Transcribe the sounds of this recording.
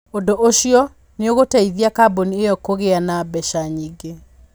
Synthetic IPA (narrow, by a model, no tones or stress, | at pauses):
ondoʔoɕiɔ | neoɣotaiðiakaboniejɔkoɣeanabɛʃaɲiɡe